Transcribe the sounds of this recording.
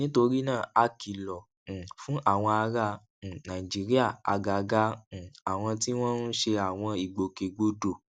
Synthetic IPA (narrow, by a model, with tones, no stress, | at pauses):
nĩ˨˦to˧ɾi˦nãː˦˨a˧ki˨lɔ̃˨ | fũ˦ʔa˦˨w̃ɔ̃˧a˧ɾã˧˨ | nã˨i˨d͡ʒi˨˦ɾi˦a˦˨a̰˧ɡa˨˧˨ɡã˦˨a˨w̃ɔ̃˧ti˦w̃ɔ̃˦nu˦ʃe˧a˨w̃ɔ̃˧i˨ɡ͡bo˧ke˨ɡ͡bo˦do˦˨